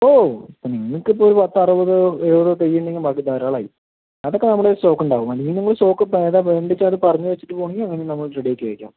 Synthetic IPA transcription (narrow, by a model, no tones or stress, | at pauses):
oːipːoniŋːŋɐkːɨipːoːoɾupɐt̪ːɐrubɐðɨoɾubɐðot̪̬ejːɳɖeŋɡibaːkːid̪ɐjɾɐːɭaːji | ɐðo̞kːe̞nɐmːɐɭeɾuso̞ːkːuɳɖaːʋumɐliɲiniŋːɐɭso̞ːkːɨpeːðaeːɳɖit͡ɕːaɐðɨpɐrɐɲːɨʋet͡ɕːi̥ʈːɨpo̞ːɳiŋɡiɐŋːɐnenɐmːɐɭʈreɽijekːeːɻikʲːa̰m